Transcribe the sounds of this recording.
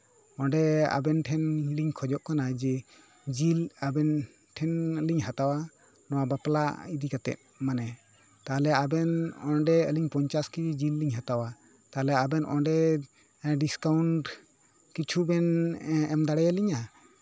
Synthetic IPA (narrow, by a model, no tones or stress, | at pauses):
ɔnɖɛa̰bɛnʈʰɛnliɲkʰɔd͡ʒɔʔkanad͡ʒɛ | d͡ʒilabɛn | ʈʰɛnliɲɦat̪awa | nɔwabapla̰id̪ikat̪ɛ̰t̪̚manɛ | t̪alɛabɛnɔnɖɛəliɲpɔɲt͡ʃaskid͡ʒilːiɲɦat̪awa | t̪alɛabɛnʔɔ̰ɖɛ | ɖiskawnʈ | kit͡ʃʰubɛnɛmd̪aɽɛjaliɲa